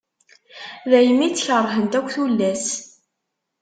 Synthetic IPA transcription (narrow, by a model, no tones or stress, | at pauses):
ðæjəmːit͡sːçərˤːɦənt̪ækʷːθulːæs